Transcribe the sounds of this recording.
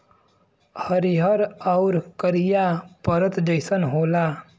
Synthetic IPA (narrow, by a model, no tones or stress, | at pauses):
həɾiɦəɾawɾkəɾijapəɾət̪d͡ʒəjsənɦoːla